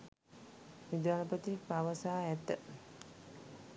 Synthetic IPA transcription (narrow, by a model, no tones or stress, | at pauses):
nid̪aːlɐpət̪ipaʋəsaːɛt̪ːə